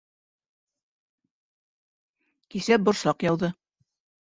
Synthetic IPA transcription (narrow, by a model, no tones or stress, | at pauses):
kisæp̚bŏɾsɑqjɑwðɤ